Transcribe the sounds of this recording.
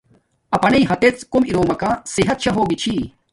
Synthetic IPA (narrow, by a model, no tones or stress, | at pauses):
ɐpɐneiɦɐt̪et͡skumiɾoːmɐkasiɦɐt̪̚ɕʰɐɦoːɡit͡ɕʰiː